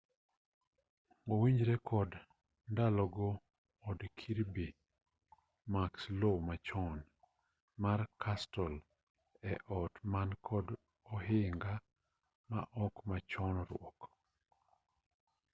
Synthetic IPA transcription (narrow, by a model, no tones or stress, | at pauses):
owiɲd͡ʒɾɛkʰɔd | ndalɔɡɔː | dkʰiɾbi | makslomat͡ʃɔn | markʰastɔl | ɛʔɔtmankʰɔd | ɔɦɪŋɡa | ma̰ʔɔkmat͡ʃɔnɔɾʊ̰ɔk